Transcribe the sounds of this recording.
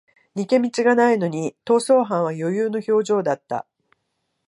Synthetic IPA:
ɲ̟ike̞mʲit͡ɕiɡanaino̞ɲ̟it̪o̞ːso̞ːɦãɰ̃β̞ajo̞jɯːno̞ço̞ːʑo̞ːd̪at̪ːa̰

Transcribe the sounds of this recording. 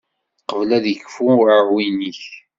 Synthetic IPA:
qəvlæðjəkːfuɾəɾwiniç

